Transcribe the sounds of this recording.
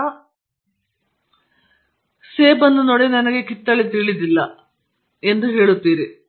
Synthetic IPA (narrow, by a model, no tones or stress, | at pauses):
seːbɐnːunoɽenɐnɐkːekit̪ːɐɭet̪iɭit̪ilːɐ | e̞nd̪ɨɦeːɭut̪ːiːɾɨ